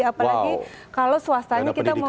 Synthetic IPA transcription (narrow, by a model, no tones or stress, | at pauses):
apalaɡi | kalowsəwast̪aɲakit̪amə